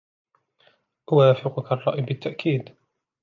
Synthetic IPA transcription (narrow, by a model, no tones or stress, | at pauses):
ʔwaːfɪqʊkarˤːɑ̰ʔɪbɪt̪ːaʔkʰiːd̪